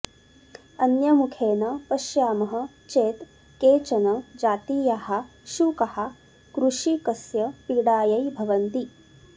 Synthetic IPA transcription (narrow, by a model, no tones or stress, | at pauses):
ɐnjɐmukʰeːnɐpɐʃjaːmɐɦɐ̆ | t͡ʃeːt̪ | keːt͡ʃɐnɐd͡ʒaːt̪iːjaɦɐ̆ | ʃukɐha | kɾuʃikɐsjɐpiɽaːjɐjbʱɐʋɐnt̪i